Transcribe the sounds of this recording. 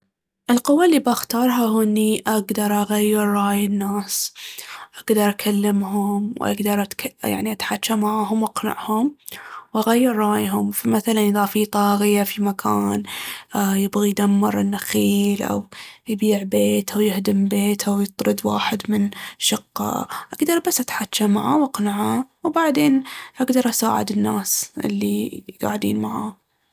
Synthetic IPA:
ʔɪlqʊwːalːiːbʔaxt̪ɑːɾˤɦaɦuʔɪnːiʔaɡd̪ɑɾˤʔaɣajːɪɾːɑːjɪnːaːs | ʔaɡd̪ɑɾˤʔakʰalːɪmɦʊmwʔa̰ɡd̪ɑɾˤʔat̪kja̰ʕniʔat̪ħat͡ʃːamaʕɦʊmwʔaqna̰ʕhʊmwʔaɣajːɪɾˤːɑːjɦʊmfamaθalanðafit̪ˤɑːɣɪjafimakʰaːn | jɪbɣijd̪amːɪɾˤɪnːaxiːlʔa̰wjbiːʕbeːt̪ʔawjɪhd̪ɪmbeːt̪ʔawjɨt̪ˤɾɨd̪wa̰ːħɪd̪mɪnʃɑqːɑ̰ʔaɡd̪ɑɾˤbasːʔat̪ħat͡ʃːamaʕawʔɑqnaʕawbaʕd̪eːnʔaɡd̪ɑɾˤʔasa̰ːʕɪ̰d̪ɪnːaːsʔɪ̰lːiɡa̰ːʕd̪ḭːnmaʕa̰ː

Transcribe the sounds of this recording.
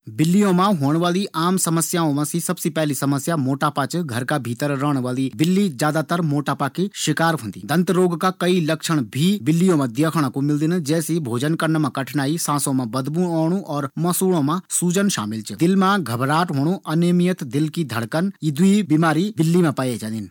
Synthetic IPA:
bɪlːijõmãɦoːɽ̃ʋaːliʔaːmsɐməsjaõmãsisɐbsipɛɦlisɐməsjamoːʈaːpat͡ʃɡʱɐɾkabʱiːt̪əɾɾəːɽ̃ʋaːlibɪlːizjaːd̪at̪əɾmoːʈaːpakiʃɪkaːɾɦõːnd̪ḭd̪ɐ̃nt̪əɾoːɡkakɐilɐkʃəɽ̃bʱibɪlːijõmẽd̪jəkʰəɽ̃komɪld̪ɪnd͡ʒɛːsibʱoːd͡ʒənkɐɾnmãkɐʈʰnaːisãːsõmẽbɐd̪buːoːɽ̃ũʔɔːɾmɐsuːɽ̃õmãsuːd͡ʒənʃa̰ːmɪlt͡ʃd̪ɪlmãɡʱɐbɾaːʈɦoːɽ̃ũʔɐneːmijət̪d̪ɪlkid̪ʱɐɽkənid̪uibiːmaːɾibɪlːimẽpaːjed͡ʒãnɪn

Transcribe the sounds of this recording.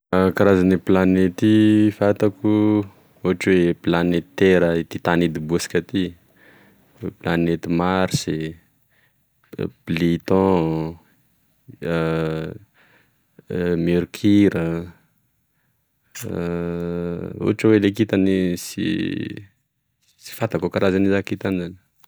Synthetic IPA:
kaɾazaniplanet̪ifat̪aku | uɦaʈ͡ʂweplanet̪t̪ːeɾəit̪it̪anid̪ibusi̥kat̪i | planet̪imaɾise | blit̪ɔ̃ | meɾkʰiɾə | ṵaʈ͡ʂəwelekit̪anisḭ | si̥fat̪akokaɾazanizakit̪anizan

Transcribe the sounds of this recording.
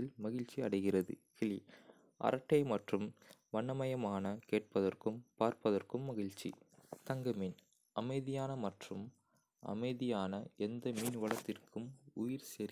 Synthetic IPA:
ɪlmɐɣɪɻt͡ʃiɐɽɐɪɣɪrɐðɯ̰kɪɭi | ʔɐ̰ɾɐʈːɐɪmɐʈrɯmʋɐɳːɐmɐjɐmaːnɐkeːʈ̚pɐðɐrkɯmpaːɾpɐðɐrkɯmːɐɣɪɻt͡ʃḭt̪ɐŋɡɐmiːn | ɐmɐɪðɪjaːnɐmɐʈrɯm | ʔɐ̰mɐɪðɪjaːnɐɛnd̪ɐmiːnʋɐɭɐt̪ːɪrkʰɯmʊjɪɾseːɾ

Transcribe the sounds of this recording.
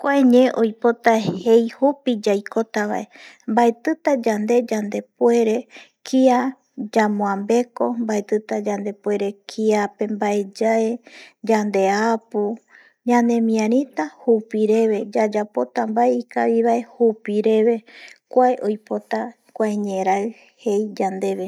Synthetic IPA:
kʷaeɲẽʔojpo̞t̪ahe̞jhupid͡ʒajko̞t̪aβa̰ʔe̞ | mbaet̪ɨt̪ad͡ʒand̪e̞d͡ʒand̪e̞pwe̞ɾe̞kʰia | d͡ʒamõãmbe̞ko̞mbaet̪ɨt̪ad͡ʒand̪e̞pwe̞ɾe̞kʰiape̞mbae̞d͡ʒaed͡ʒand̪e̞apu | ɲãnẽ̞mĩãɾ̃ĩt̪ahupiɾe̞βe̞d͡ʒad͡ʒapo̞t̪ambaeikaβiβae̞hupiɾe̞βe̞kʷaeʔojpo̞t̪a | kʷaeɲẽ̞ɾa | he̞jd͡ʒand̪e̞βe̞

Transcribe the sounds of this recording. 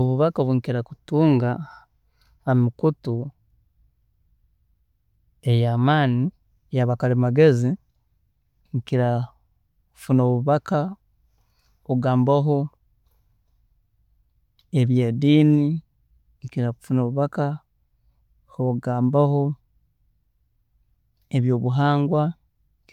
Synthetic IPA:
oβuβakaβuŋkiɾaku̥tuːŋɡa | amikutu | ejaːmaːni | jaβakalimaɡe̞zi | ŋkiɾa | kfunoβuβaka | oɡaːmbaɦo̞ | eβjeːdiːni | ŋkiɾaufunoːβuβaka | hoɡaːmbaho̞ | eβjo̞ːβuɦaːŋɡwa

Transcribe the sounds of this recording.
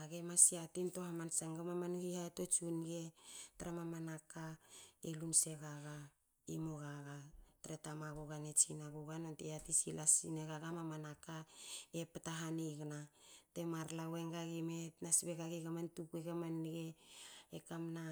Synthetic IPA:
aɡemasiatinto̞hamansaŋɡamamanhihaeto̞t͡ʃunɡetaɾamamanakaelunse̞ɡaɡa | imoɡaɡataɾetamaɡoɡanet͡ʃinaɡuɡanontejatisilasineɡaɡamamanakaepataɦaniɡnate̞maɾlaweŋɡaɡimetnasbeɡaɡeɡamantukueɡamanɡeekamna

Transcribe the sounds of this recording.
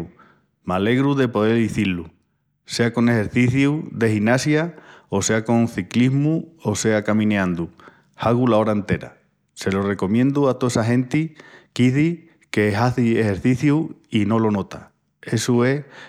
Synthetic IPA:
male̞ɣɾuðe̞po̞ðe̞liθilu | se̞ako̞ne̞he̞ɾθiθjuðe̞xinasjaose̞ako̞nθikliɦmuo̞se̞akamĩneãnd̪u | haɣulao̞ɾaent̪e̞ɾa̰ | se̞lo̞re̞ko̞mjẽnd̪uat̪oesaɦẽ̞nt̪ikiθi | ke̞ɦaθiehe̞ɾθiθjuino̞lo̞no̞t̪a | e̞sue̞

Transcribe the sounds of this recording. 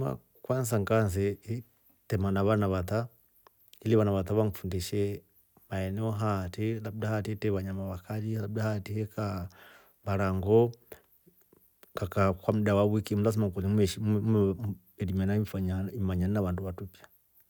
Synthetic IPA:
ma̰ | kwansaŋkansii | tɛmanaβanaβata | iliβanaβataβaŋfundiʃɛ | maɛnɛɔɦatilab̚dahatitɛβaɲamaβakalilabdahatihɛka | βaɾaŋɡɔ | ŋɡakakwamudawawikim̩ulas̬imakulimɛʃim | ɛlimanaifaɲaimaɲaninaβaːnduβatupja

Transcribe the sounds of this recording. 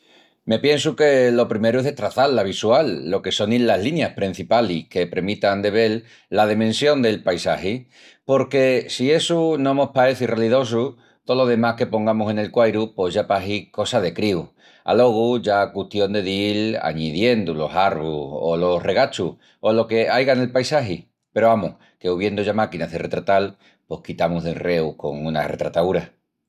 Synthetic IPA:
me̞pjẽ̞ns̬uke̞lo̞pɾime̞ɾueðet̪ɾaθallaβ̞iswalːo̞ke̞so̞niaɦlinjahpɾin̟θipalihke̞pɾemit̪and̪e̞βe̞lː | að̞emẽ̞nsjo̞nd̪e̞lpajsahi | po̞ɾke̞sie̞sunõ̞mo̞hpae̞θireliðo̞s̬u | t̪olo̞ðe̞mahke̞po̞ŋɡamose̞ne̞lkwajɾupo̞zʝapaɦiko̞saðe̞kɾiu | a̰lo̞ɣ̞uʝakuht̪jo̞nd̪e̞ðila̰ɲiðje̞nd̪ulo̞saɾβuolo̞reɣ̞at͡ʃu | o̞lo̞ke̞ajɣane̞lpajsaɦi | pe̞ɾoamuh | ke̞uβ̞je̞nd̪oʝamakinaðere̞t̪ɾat̪al | po̞hkit̪amuzðelre̞uko̞̰ŋuna̰re̞̰t̪ɾat̪auɾa

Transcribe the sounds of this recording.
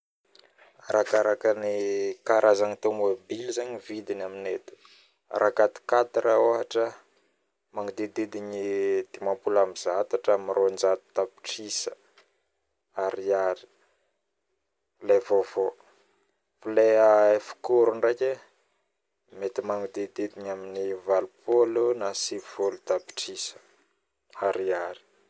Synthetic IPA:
aɾakaɾakənikaɾazaɲit̪emobilizaɲivid̪inaminet̪u̥̰ | ɾʔakat̪i̥kat̪iɾaoɦaʈ͡ʂə | maŋid̪ed̪ed̪iɲid̪̥imampulamizat̪aʈ͡ʂamiɾond͡ʒat̪u̥t̪api̥ʈ͡ʂisə | aɾiaɾi̥ | levovo | fileaefi̥kuɾuɳreke | met̪imaŋud̪ed̪id̪iɲaminivalupʰolunasivolut̪api̥ʈ͡ʂisə̥ | aɾiaɾi̥

